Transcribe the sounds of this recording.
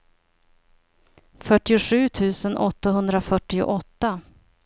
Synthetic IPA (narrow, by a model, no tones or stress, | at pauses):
fœʈːɪʊɧʉ̟ːt̪ʰʉ̟ːsənʔɔ̰t̪ːaɦɵnd̪ɾafœʈːɪʊ̰ʔɔt̪ːa